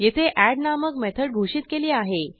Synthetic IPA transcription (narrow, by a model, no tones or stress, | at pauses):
jet̪ʰeʔæɽnaməkmɛt̪ʰəɽɡʱoɕiːt̪̚keliːaɦe